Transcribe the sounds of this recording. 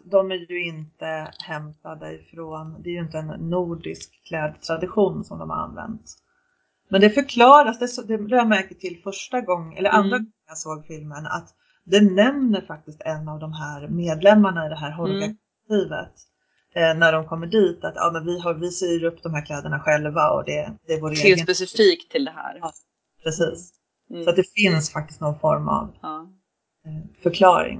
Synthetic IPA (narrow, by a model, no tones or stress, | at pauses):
d̪ɔmæɾjɵɪnt̪əhɛmt̪ad̪əɪ̰fɾoːnd̪ɛːɾjɵɪnt̪əɛnːuːɖɪskkʰːlɛːd̪t̪ʰɾad̪ɪɧuːnsɔmd̪ɔmha̰ɾa̰nvɛ̰nt̪ | mɛnd̪ɛfœɾkʰlɑːɾasd̪ɛsd̪ɛd̪ɛhæmæɾkət̪ʰɪlfœʂʈaɡɔŋːɛ̰lːəɾʔand̪ɾaɡɔŋəjasoːɡfɪlməna̰t̪ | d̪ɛnɛmnəɾfak̚t̪ɪst̪ɛnːavd̪ɔmɦæːɾmeːd̪lɛmːaɳaɪd̪ɛɦæːɾɦɔɾɡak̚ | t̪iːvə̰t̪ | næɖɔmkʰɔmːəɖiːt̪at̪jɑ̰ːmɛnvɪɦaɾvɪseɾɵpːd̪ɔmhæːɾkʰlɛːd̪əɳaɧɛlvaɔ̰d̪ɛd̪ɛːɾvoːɾeːɡ̪pɛsɪfiːkt̪ʰːɪld̪ɛhæ̰ːɾ | pʰɾɛsiːs | sɔat̪̚d̪ɛfɪnsfak̚t̪ɪst̪nɔnfɔɾma̰v | fœɾkʰlɑːɾɪ̰ŋ